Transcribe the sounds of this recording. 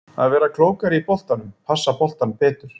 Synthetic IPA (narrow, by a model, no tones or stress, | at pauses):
a̰ðvɛːɾakʰloːwkaɾɪipɔl̥t̪anʏmpʰasːapɔl̥t̪anpɛːt̪ʏɾ̥